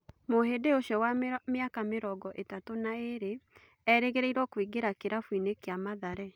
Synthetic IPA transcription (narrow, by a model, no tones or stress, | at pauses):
mohedeoʃjɔwameakameɾɔɡɔʔetatonaeɾe | ɛɾeɣeɾeiɾwɔkwiɡeɾakeɾafwinekeamaðaɾɛ